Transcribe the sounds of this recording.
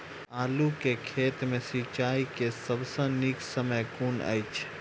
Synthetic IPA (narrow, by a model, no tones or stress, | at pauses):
aːlukekʰeːt̪mẽsiːt͡ʃaːikesəbsə̃niksəməjkuːnə̰jt͡ʃʰ